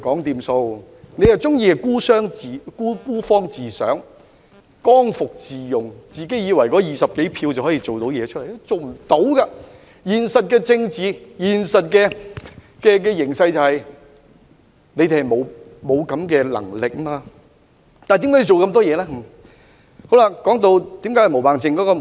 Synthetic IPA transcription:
kɔː˨˥ŋt̪iː˧mso˧w | ne˨˧jɐ˨˩wt͡sʊ˥ŋjiː˧hɐ˨jkuː˥sœː˥ŋː˨kuː˥kuː˥fɔː˥ŋt͡siː˨sœ̰ː˨˥ŋ | kɔː˥ŋfʊ˨k̚t͡siː˨jʊ˨˩ŋt͡siː˨ke˨˥jiː˨˧wɐ˨˩jkɔː˨˥jiː˨sɐ˨p̚ke˨˥jpʰiː˧wt͡sɐ˨whɔː˨˥i˧t͡so˨wt̪o˨˥wjɛː˨˧t͡ʃʰɵ˥lɐ˨˩jt͡ʃo˨wm̩˨˩t̪o˨˥wɡa˧ | jiː˨˩nsɐ˨t̚kɛː˧t͡sɪ˧ŋt͡siː˨˧jiː˨˩nsɐ˨t̚kɛː˧ | kɛː˧k̬ɛː˧jɪ˨˩ŋsɐ˧jt͡sɐ˨whɐ˨j | ne˨˧jt̪e˨hɐ˨˩jmo˨˧wmo˨˧wkɐ˨˧˥mkɛː˧lɐ̰˨˩ŋlɪ˨k̚maː˧ | t̪aː˨t̪i˨˥kaː˥ji˨˩t͡ʃo˨wkɐ˧mt̪ɔː˥jɛː˨˧laː˥˦ | ho˨˥wlaː˧kɔː˨˥ŋt̪o˧wt̪iː˨˥mkaː˨˥hɐ˨mo˨˩wpaː˨nsɪ˧ŋkɔː˨˥kɔː˧

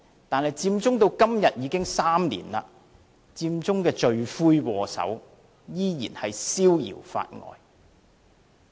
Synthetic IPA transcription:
t̪aː˨nhɐ˨jt͡siː˧mt͡sʊ˥ŋt̪o˧wkɐ˥mjɐ˨t̚jiː˨˧kɪ˥ŋsaː˥mlḭː˨˩nla̰ː˧ | t͡siː˧mt͡sʊ˥ŋkɛː˧t͡ʃɵ˨˧ɥfuː˥jkɔː˧sɐ̰˨˥w | jiː˥jḭː˨˩nhɐ˨jsiː˥wjḭ˨˩wfa̰ː˧t̚ŋɔ̰ː˨j

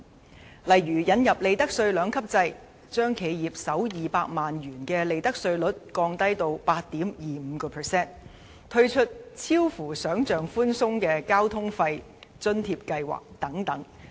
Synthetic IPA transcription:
lɐ˨jɥyː˨˩jɐ˨˥njɐ˨p̚le˨˧jt̪ɐ˥k̚sɵ˧ɥlœː˨˧˥ŋkʰɐ˥p̚t͡sɐ˧j | t͡ʃœː˥ŋkʰe˨˧˥jjiː˨˩p̚sɐ˨˥wjiː˨paː˧k̚maː˨njyː˨˩nkɛː˧le˨˧jt̪ɐ˥k̚sɵ˧ɥlɵ˨˥t̚kɔː˧ŋt̪ɐ˥jt̪o˧wpaː˧t̚t̪iː˨˥mjiː˨m̩˨˧kɔː˧pʰɛ˨˩sɛː˥n | t̪ʰɵ˥ɥt͡ʃʰɵ˥t̚t͡sʰiː˥wfuː˨˩sœː˨˥ŋt͡ʃœː˨ŋfuː˥nsʊ˥ŋkɛː˧kaː˥wt̪ʰʊ˥ŋfɐ˧j | t͡ʃɵ˥nt̪ʰiː˧p̚kɐ˧jwa̰ː˨˩k̚t̪ɐ˨˥ŋt̪ɐ˨˥ŋ

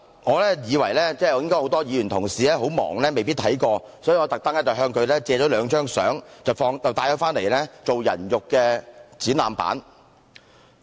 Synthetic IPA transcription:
ŋɔː˨˧lɛː˥jiː˨˧wɐ˨˩jlɛː˥t͡sɛː˥˩jɐ˨˧wjɪ˥ŋkɔː˥jho˨˥wt̪ɔː˥jiː˨˧jyː˨˩nt̪ʰʊ˨˩ŋsiː˨lɛː˥ɦo˨˥wmɔ̰ː˨˩ŋlɛː˥me˨jpiː˥t̪̚ʰɐ˨˥jkɔː˧sɔː˨˥ji˨˧ŋɔː˨˧t̪ɐ˨k̚t̪ɐ˥ŋlɛː˥t͡sɐ˨wɦœː˧ŋkʰɵ˨˧ɥlɛː˥t͡sɛː˧t͡ʃɔː˨˥lœː˨˧ŋt͡ʃœː˥ŋsœ̰ː˨˥ŋt͡sɐ˨˩wfɔː˧ŋt͡sɐ˨wt̪aː˨˧jɔ˨˧˥faː˥nle˨˩jlɛː˥t͡so˨wjɐ̰˨˩njʊ˨kːɛː˧t͡siː˨˥nlaː˨˩mpa̰ː˨˥n

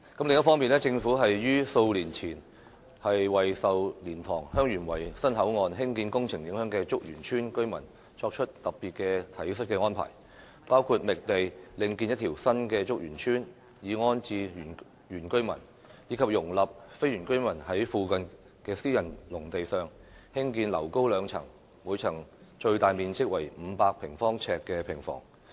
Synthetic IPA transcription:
kɐ˨˥mlɪ˨ŋɐ˥tfɔː˥ŋmiː˨nɛː˥t͡sɪ˧ŋfuː˨˥ɦɐ˨jjyː˥so˧wliː˨˩nt͡sʰiː˨˩n | hɐ˨jwɐ˨˩jsɐ˨wliː˨˩nt̪ʰɔː˨˩ŋhœː˥ŋjyː˨˩nwɐ˨˩jsɐ˥nɦɐ˨˥wŋɔː˨˧nɦɪ˥ŋkiː˧nkʊ˥ŋt͡sʰɪ˨˩ŋjɪ˨˥ŋɦœː˨˥ŋkɛː˧t͡sʊ˥k̚jy̰ː˨˩nt͡ʃʰyː˥nkɵ˥ɥmɐ̰˨˩n | t͡ʃʰɔː˧k̚t͡ʃʰɵ˥t̚t̪ɐ˨p̚pːiː˨t̚kɛː˧t̪ʰɐ˨˥jsɵ˥t̚kɛː˧ŋɔː˥npʰa̰ː˨˩j | paː˥wkʰuː˧t̚mɪ˨k̚t̪e˨jlɪ˧ŋkiː˧njɐ˥t̪ʰi˨˩wsɐ˥nkɛː˧t͡sʊ˥k̚jyː˨˩nt͡ʃʰyː˥n | jiː˨˧ŋɔː˥nt͡siː˧˨˩ | jyː˨˩nkɵ˥ɥmɐ̰˨˩n | jiː˨˧kʰɐ˨p̚jʊ˨˩ŋlɐ˨p̚fe˥jyː˨˩nkɵ˥ɥmɐ˨˩nhɐ˨˥jfuː˨˧kɐ˨n | kɛː˧siː˥jɐ˨˩nlʊ˨˩ŋt̪e˨jsœː˨˧ŋhɪ˥ŋkiː˧nlɐ˨˩wko˥wlœː˨˧ŋt͡sʰɐ̰˨˩ŋ | mu˨˧jt͡sʰɐ˨˩ŋt͡ʃɵ˧ɥt̪aː˨jmiː˨nt͡sɪ˥k̚wɐ˨˩jm̩ː˨˧paː˧k̚pʰɪ˨˩ŋfɔː˥ŋt͡sʰɛː˧kːɛː˧pʰɪ˨˩ŋfɔ̰ː˨˩ŋ

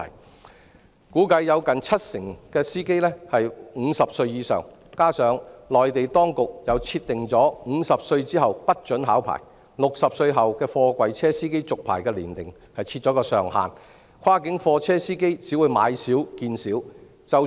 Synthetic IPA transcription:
kuː˨˥kɐ˧jːɐ˨˧wkɐ˨nt͡sʰɐ˥t̚sɪ˨˩ŋkɛː˧siː˥ke˥jlɛː˥hɐ˨jŋ̩˨˧sɐ˨p̚sɵ˧ɥjiː˨˧sœ̰ː˨˩ŋ | kaː˥sœː˨˧ŋlɔː˨˩jt̪e˨jt̪ɔː˥ŋkʊ˨k̚jɐ˨wt͡sʰi˧t̚t̪ːɪ˨ŋt͡sɔː˨˥ŋ̩ː˨˧sɐ˨p̚sɵ˧ɥt͡siː˥ɦɐ˨wpɐ˥t̚t͡ʃɵ˨˥nɦa̰ː˨˥wpʰa̰ː˨˩j | lʊ˨k̚sɐ˨p̚sɵ˧ɥɦɐ˨wkɛː˧fɔː˧kʷɐ˨jt͡sʰɛː˥siː˥ke˥jt͡sʊ˨k̚pʰaː˨˩jkɛː˧lḭː˨˩nt̪ɪ̰˨˩ŋ | hɐ˨jt͡sʰi˧t̚t͡ʃɔː˨˥kɔː˧sœː˨ŋha̰ː˨n | kʰwaː˥kɪ˨˥ŋfɔː˧t͡sʰɛː˥siː˥ke˥jt͡siː˨˥wu˨˧jma̰ː˨˧jsiː˨˥wkiː˧nsiː˨˥w | t͡sɐ˨w

